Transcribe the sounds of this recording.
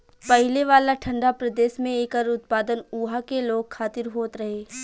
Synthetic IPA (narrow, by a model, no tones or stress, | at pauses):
pɐɦɪleʋaːlaʈʰɐ̃ɳɖapɾɐd̪eːʃmẽeːkəɾʊt̪̚paːd̪ənuːɦakeloːɡkʰaːt̪ɪɾɦoːt̪ɾɐɦeː